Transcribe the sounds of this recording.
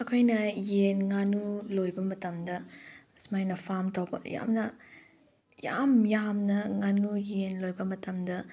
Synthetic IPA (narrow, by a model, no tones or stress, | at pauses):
ɐkʰojnɐjenŋanulojbɐmɐtɐmdɐ | smajnɐpʰamtɐwbɐ̰ja̰mnɐ | ja̰mjamnɐŋanujenlojbɐmɐtɐmdɐ